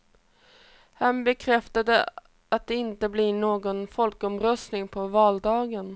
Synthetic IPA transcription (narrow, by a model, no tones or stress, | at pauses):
hanbɛkʰɾɛft̪ad̪ə | at̪̚d̪ɛɪnt̪əblɪɳoːɡɔnfɔlkɔmɾœst̪nɪŋpʰɔvɑːld̪ɑːɡən